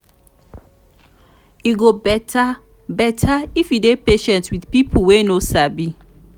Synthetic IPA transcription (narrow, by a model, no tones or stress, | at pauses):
iɡobɛta | bɛtʰaifidepeʃɛ̃ntswiθpipʰuwenosabi